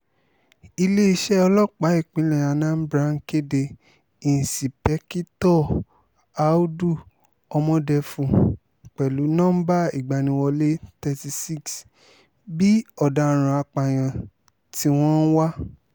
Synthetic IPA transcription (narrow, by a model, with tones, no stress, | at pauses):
i˧le˦i˧ʃɛ˦ɔ˧lɔ˦˨k͡pa˨˦i˦˨k͡pĩ˨˦lɛ̃˨a˨˧˨nã˨˦m̩˦bɾã˦ŋ̩˦ke˦de˧ | i˨n̩˨si˨pɛ˨˦ki˦tɔ˦˨ | a˨˦u˦du˦˨ | ɔ˧mɔ̃˧dɛ˧fũ˧˨ | k͡pɛ˨lu˨˦nã˦ba˦i˦˨ɡ͡ba˨nĩ˧wɔ˧le˦tɛ˧ti˧si˦˨ks | bi˦ɔ˦˨da˧˨ɾ̃ã˨a˧k͡pa˨j̃ã˨ | ti˧w̃ɔ̃˦n̩˦wa˦